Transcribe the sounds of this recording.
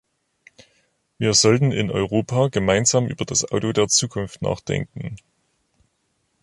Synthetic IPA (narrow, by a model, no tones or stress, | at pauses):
viːɐzɔltn̩ɪ̰nʔɔ̰ʏʁoːpʰaːɡəmaɪnzaːmʔy̰ːbɐd̥asʔaʊtodeːɐt͡suːkʰʊnftna̰ːχd̥ɛ̰ŋkŋ̩